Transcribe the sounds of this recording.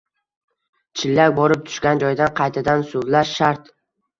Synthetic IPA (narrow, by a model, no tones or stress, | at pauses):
t͡ʃʰɪlːakʲbɒɾɪp̚t̪ʰʊ̥ʃɡʲand͡ʒɒjd̪anqʰɑjt̪ʰad̪ansʊvlaʃʃaɾt̪